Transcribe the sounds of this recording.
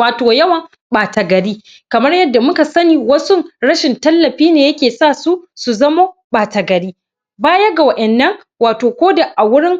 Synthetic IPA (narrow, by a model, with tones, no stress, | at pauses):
aː˨toː˨jɐ˦wɐ˨ŋ | ɓaː˨ta˨ɡɐ˨ɽiː˦ | kɐ˨mɐ˦rjɐ˦dːa˨mʊ˦ka˨sɐ˦niː˨wɐ˦sʊ˦ŋɽɐ˦ʃɪ˨ntɐ˦lːɐ˨ɸiː˦neː˨jɐ˦kʲeː˨saː˦˨su˦su˨zɐ˦moː˦ɓaː˨ta˨ɡɐ˨ɽiː˦ | baː˦jɐ˦ɡa˨wɐ˦ʔɛ˨nːɐ˦ŋ | waː˨toː˨kʷoː˦da˨ʔa˨wʊ˦ɽɪ˦ŋ